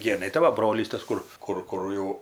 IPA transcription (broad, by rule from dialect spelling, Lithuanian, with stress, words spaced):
ˈɡʲeːnɐɪ tɐɪ ˈʋɐ ˈbroːlʲiːs ˈtɐs ˈkʊr ˈkʊr ˈkʊr jɛʊ